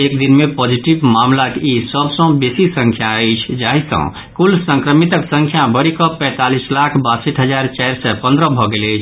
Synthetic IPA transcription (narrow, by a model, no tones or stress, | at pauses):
ekd̪inmepɔd͡ʒiʈiʋmamlakisəbsə̃besisə̃ŋkʰjaəjt͡ʃʰd͡ʒaɦisə̰̃ | kulsə̃ŋkɾəmit̪əksə̃ŋkʰjabəɾikɔpɛ̃t̪alislakʰbasəʈʰɦəd͡ʒaɾt͡ʃɛɾsɛpə̃nd̪ɾəbʱɔɡelɛt͡ʃʰ